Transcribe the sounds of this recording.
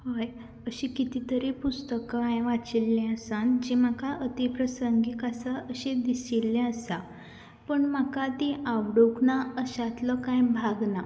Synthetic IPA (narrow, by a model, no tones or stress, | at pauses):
həj | əɕikit̪it̪əɾepust̪əkaãjʋat͡silːɛ̃əsãnd͡ʑimakaʔət̪ipɾəsəŋɡikasaəɕẽd̪isilːɛ̃əsa | pəɳmakat̪ĩʔaʋɽoknaəɕãt̪lɔkãjbʱaɡna